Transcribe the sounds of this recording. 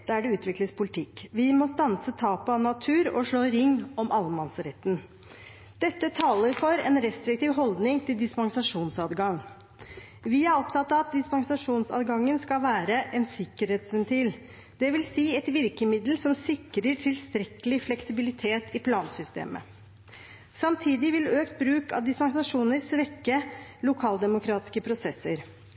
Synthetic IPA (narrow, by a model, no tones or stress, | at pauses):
d̪̥ɛæɖɛʉːt̪ʋɪkləspʰʊlɪt̪ʰɪkːʋɪmɔst̪ɑnsət̪ʰɑːpɑʋnɑt̪ʰʉːɾɔʂɭoːɾɪŋːɔmʔɑlːmɑnsɾɛt̪ːn | d̪̥ɛt̪ːət̪ʰɑːləɾfɔɾɛnɾɛst̪ɾɪk̚t̪iːʋɦɔld̪nɪŋt̪ʰɪld̪ɪspɑŋsɑʂuːnsɑːd̪ɡɑŋ | ʋɪæɾɔpt̪ʰɑt̪ːɑʋɑt̪̚d̪ɪspɑŋsɑʂuːnsɑ̰d̪ɡɑŋːənskɑlʋæːɾəʔɛnsɪkːəɾheːt̪sʋɛnt̪ʰiːl | d̪̥ɛʋɪlsiːɛt̪ʋɪɾkəmɪd̪lsɔmsɪkːɾəʈʰɪlst̪ɾɛkəlɪflɛksɪbɪlɪt̪ʰeːt̪ʰɪpʰlɑːnsʏst̪ḛːmə̰ | sɑmt̪ʰiːd̪ɪʋɪløːkt̪̚bɾʉːkɑ̰ʋd̪ɪspɑŋsɑʂuːnəɾsʋɛkːəlʊkʰɑːld̪ɛmʊkʰɾɑːt̪ɪ̥skəpʰɾʊsɛsːəɾ